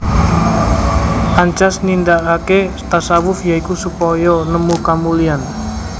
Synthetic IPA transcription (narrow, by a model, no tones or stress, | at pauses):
ʔaɲt͡ʃasnindakakest̪asawʊfjaikusupɔjɔnəmukamulian